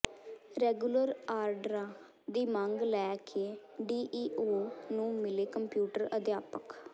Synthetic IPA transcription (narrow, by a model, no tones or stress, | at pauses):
ɾɛːɡuləɾaːɾɖəɾãː | d̪iːmãŋɡlɛːkʰeː | ɖiːʔiːʔoːnũːmɪleːkəmpjuːʈəɾəd̪jaːpək